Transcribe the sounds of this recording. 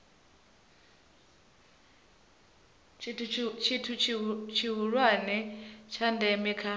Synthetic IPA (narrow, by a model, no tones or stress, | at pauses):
t͡ʃʰitʰut͡ʃʰt͡ʃʰiɦuɺwanɛt͡ʃʰandɛmikʰa